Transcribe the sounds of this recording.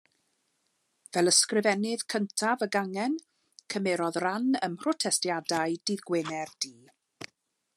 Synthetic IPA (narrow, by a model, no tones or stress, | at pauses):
vɛlˠəskrɪvɛnɪð̥kʰəntʰavəɡaŋɛn | kʰəmɛɾɔðranəmr̥ɔtʰɛstjadajd̥iðɡweːnɛrd̥iː